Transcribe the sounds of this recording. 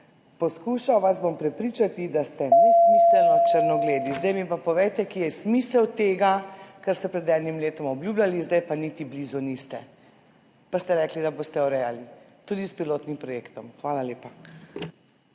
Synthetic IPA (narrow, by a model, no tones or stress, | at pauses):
pɔskuːʃawʋasbompɾɛpɾiːt͡ʃat̪id̪ast̪ɛnɛsmisɛlɔt͡ʃəɾnɔɡleːd̪izd̪ajmipapɔʋɛjt̪ɛkiːjɛsmiːsɛwt̪eːɡakaɾst̪ɛpɾɛd̪ɛːd̪nimleːt̪ɔmɔbljublʲalizd̪ajpanit̪ibliːzunist̪ɛ | past̪ɛɾɛːklid̪aboːst̪ɛɔɾɛjalit̪uːd̪ispiloːt̪nimpɾɔjeːkt̪ɔmxʋaːlaleːpa